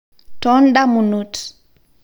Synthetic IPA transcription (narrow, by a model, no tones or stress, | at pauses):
tɔnɗamunut